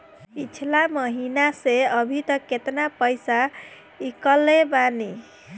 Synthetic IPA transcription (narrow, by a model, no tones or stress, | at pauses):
it͡ʃʰlaməɦinaseəbʱit̪ʌket̪napəjsa | ikəlebani